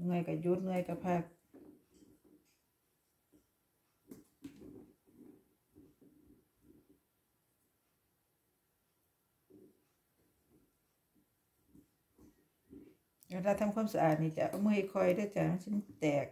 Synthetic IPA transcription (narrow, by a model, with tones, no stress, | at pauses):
ŋɯ˧˩əjka˧˩ju˧˦t̪̚ŋɯ˧əjka˧˩pʰa˧˩k̚ | a˧˩da˧t̪ʰa˧˥˨mkʰuː˧˥˨msa˧ʔaː˨˩t̪̚niː˧˩t͡ɕa˧˩ʔa˧˩mɯː˧˨jkʰɔ˧˩jdaː˧˩˨jt͡ɕaː˨˩ma˧˥˨nse˧˥˦nt̪ɛː˨˩k̚